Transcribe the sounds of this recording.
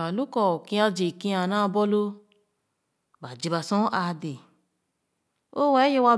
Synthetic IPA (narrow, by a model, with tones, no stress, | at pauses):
a˨lu˦kɔ˨o˨kĩ˧a˧d͡ʒe˨kĩ˧a˨nã˦˨bɔ˦lo˧ | ba˨d͡ʒi˧ba˧sɔ̃˦ʔa˧de˨ | o˦wɛ˨˦je˧wa˧